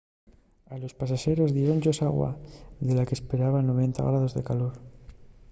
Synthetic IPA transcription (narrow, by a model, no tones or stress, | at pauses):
alo̞spas̬aʃe̞ɾo̞zðjeɾo̞nʝo̞saɣwa̰ðe̞lakespe̞ɾaβanoβ̞e̞nt̪a̰ɣɾað̞o̞zðe̞̰kalo̞ɾ